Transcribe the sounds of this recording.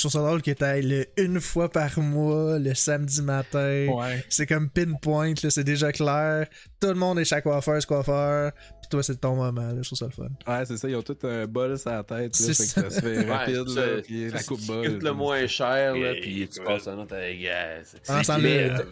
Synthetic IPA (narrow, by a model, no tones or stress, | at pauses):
t̪ʁufsɐd̪ʁolkʲjet̪ɛləynfwapaʁmwɔləsamd͡zimat̪ɛ̃sɛkɔmpɪnpwɛ̃ɪ̃t̪ləsɛd̪eʒʌklɛːʁ | t̪ulmɔ̃d̪ɛʃakːwafœːsə̥kwafœːʁpi̥t̪wasɛt̪ɔ̃mɔmãləʃt̪ʁufsʌlfɔ̰nwɛsesʌijɔ̃t̪ʊt̪ə̃bɔlsat̪ɛɪt̪sesasfɛʁapɪd̪lpilakʊp̚bɔləmwɛ̃ʃɛːʁlɔpi̥pɑsãnɔt̪aɛɡɛ̰sãsãl